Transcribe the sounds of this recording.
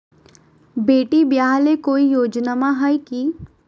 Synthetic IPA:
beːʈibjaːɦlekoːijoːd͡ʒnamaɦajki

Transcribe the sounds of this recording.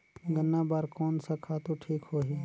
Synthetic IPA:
ɡənːabaːɾkoːnsakʰat̪oʈʰiːkhoːɦiː

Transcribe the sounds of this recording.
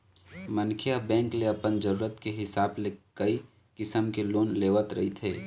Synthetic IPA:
mɐnkʰijabɛ̃ːŋkleɐpənd͡ʒəɾuːɾət̪keɦɪsaːblekɐi | kɪsəmkeloːnleːʋət̪ɾɐ̰ɦit̪ʰeː

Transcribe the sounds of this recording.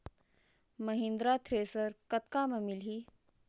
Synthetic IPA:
mɐɦĩnd̪ɾaːt̪ʰɾeːsəɾkɐt̪kaːmɐmilɦi

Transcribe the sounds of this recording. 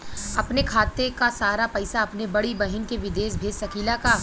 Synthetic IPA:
ɐpnekʰaːt̪ekasaːɾapɐɪsaɐpnebɐɽibɐɦɪnkeʋɪd̪eːʃbʱeːd͡ʒsɐkʰiːlakaː

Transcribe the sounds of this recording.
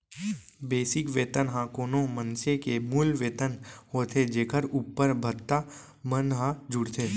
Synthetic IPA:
beːsɪkʋeːt̪ənɦãːkoːnõmə̃nsekemuːlʋeːt̪ənhoːt̪ʰed͡ʒeːkʰəɾuːpːəɾbʱət̪ːa | mənɦãd͡ʒʊɽt̪ʰeː

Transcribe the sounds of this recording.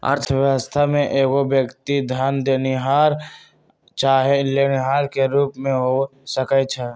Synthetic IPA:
ə̰ɾt̪ʰəʋjəwəst̪ʰamẽʔeːɡobjəkt̪id̪ʱjaːnd̪eːniɦaːɾ | t͡ʃaːɦeleːniɦaːɾkeɾuːpmẽɦosəkət͡ʃʰɛ

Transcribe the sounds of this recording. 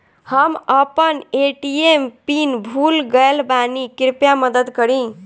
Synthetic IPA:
həməpəneʈiempinbʱulɡəlbanikiɾpjaməd̪əd̪kəɾĩ

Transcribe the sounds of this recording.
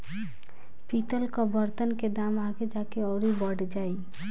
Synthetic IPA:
pit̪əlkɔbəɾt̪ənked̪amaɡed͡ʒakeɔʊɾibɔɽd͡ʒaj

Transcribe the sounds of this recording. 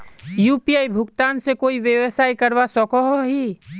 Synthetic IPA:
juːpiaːibʱʊkt̪aːnsekoːiʋjəʋsaːikɐɾʋasɔkɔɦoɦi

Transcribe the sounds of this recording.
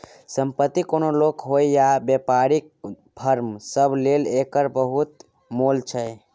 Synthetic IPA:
səmpət̪ːikonolokɦojjabjepaɾik̚ | bʱəɾmsəbʱlelekəɾbəɦut̪ | molt͡ʃʰɛj

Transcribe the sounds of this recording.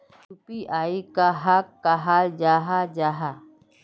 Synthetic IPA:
t͡ʃupiʔaːikaɦakːaɦaːld͡ʒaːɦad͡ʒaːɦa

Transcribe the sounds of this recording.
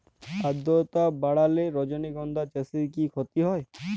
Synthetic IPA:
ad̪ɔt̪abaɽaleɾɔd͡ʑoniɡɔnd̪ʱat͡ʃesiɾkikʰot̪iɦɔe

